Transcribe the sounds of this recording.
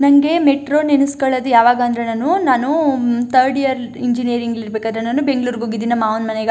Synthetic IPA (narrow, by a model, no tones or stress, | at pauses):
nɐŋɡe̞meʈɾoːnenuskɐɭɐd̪ujaːʋaːɡɐːnd̪ɾenaːnunaːnut̪ʰɐɾɖijɐɾiɲd͡ʒinijɐɾiŋɡilːiɾbeːkad̪ɾenaːnubeŋɡɭuːɾɡoɡid̪inɐmaːʋɐnmɐneɡ